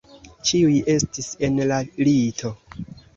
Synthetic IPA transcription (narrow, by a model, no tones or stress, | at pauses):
t͡ʃiujʔe̞stise̞nlalitʰo̞